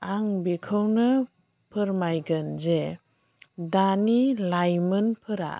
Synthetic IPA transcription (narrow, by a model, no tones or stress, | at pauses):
aŋbikʰɯwnɯ | pʰɯɾmajɡɯnze | danilajmɯnpʰɯɾa̰